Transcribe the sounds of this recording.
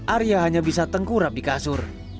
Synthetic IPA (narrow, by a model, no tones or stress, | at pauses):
ʔaɾiaɦaɲabisat̪əŋkuɾap̚dikasʊr